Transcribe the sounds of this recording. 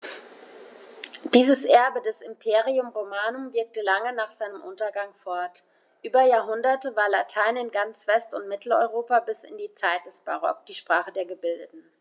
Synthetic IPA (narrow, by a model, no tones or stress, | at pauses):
d̥iːzəsʔɛɐbədɛsɪmpʰeːʁiʊmʁomaːnʊmvɪɐk̚təlaŋənaːχz̥aɪnəmʔʊntɐɡaŋfɔɐt | ʔyːbɐjaːɐɦʊndɐtəvaːɐlatʰaɪnɪnɡant͡sv̥ɛstʊntmɪtʰl̩ɔ̰ʏʁoːpabɪsɪ̰ndiːt͡saɪt̚d̥ɛsb̥a̰ʁɔ̰k̚d̥iːʃpʁ̥aːχədeːɐɡəbɪldətn̩